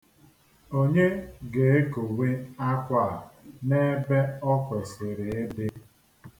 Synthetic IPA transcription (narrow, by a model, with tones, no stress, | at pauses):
o˦ɲe˦ɡe˨e˦ko˨we˦a˦kʷa˦˨a˨ne˦be˦ɔ˦kʷe˨sɪ˨ɾe˨e˦bɪ˦